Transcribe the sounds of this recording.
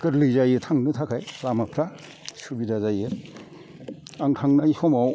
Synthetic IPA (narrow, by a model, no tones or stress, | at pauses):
kɯɾlɯjzajɯtʰaŋnɯtʰakʰajlamapʰɾa | subidazajɯ | aŋtʰaŋnaihɔmaw